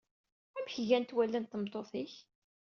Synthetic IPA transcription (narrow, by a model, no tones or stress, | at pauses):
æmçʝænt̪wælːənt̪ːəmt̪ˤːoθiç